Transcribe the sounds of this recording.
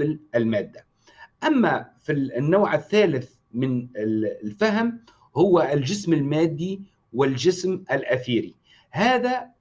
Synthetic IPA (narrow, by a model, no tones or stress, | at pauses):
lɪlmaːd̪ːa | ʔamːafinːawʕɪθːaːlɪθ | mɪnɪlfaɦm | hʊwːaɪld͡ʒɪsmɪlmaːd̪ːi | wɪld͡ʒɪsmʔalʔaθiːɾi | haːða